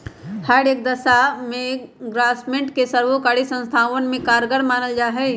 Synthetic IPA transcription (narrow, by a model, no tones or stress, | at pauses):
həɖeːk̚d̪ɐsamẽɡɾaːsmẽɳʈkesəɾʋokaːɽisə̃nst̪ʰaːʋənmẽkaːɾɡəɾmaːnəld͡ʒaːɦɛ